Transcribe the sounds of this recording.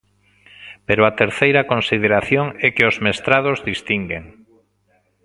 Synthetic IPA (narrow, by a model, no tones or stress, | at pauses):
peɾʊat̪eɾθejɾɐkonsið̞eɾaθjoŋɛkɪozmest̪ɾað̞ozðist̪iŋɡeŋ